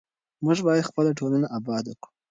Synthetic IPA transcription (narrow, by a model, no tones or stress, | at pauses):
muʒbɑjad̪xpəlaʈʰolanaʔabɑd̪akɽu̥